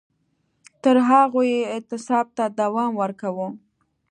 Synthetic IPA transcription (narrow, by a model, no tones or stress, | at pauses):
t̪əɾɦaɣojeɪt̪ɪsɑb̚t̪ad̪awɑmwəɾkawu